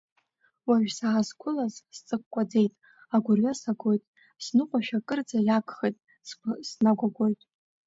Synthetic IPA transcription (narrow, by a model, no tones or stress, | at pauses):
waʒᶣsaːzɡʷʊlazst͡sʼɨkʷkʷʼad͡ze̞jtʼ | aɡʷʊrɥasaɡʷo̞jtʼ | snɨqʷʼaʃᶣakʼɨrd͡zajakʷʰʼχejtʼ | ssnaɡʷaɡʷo̞jtʼ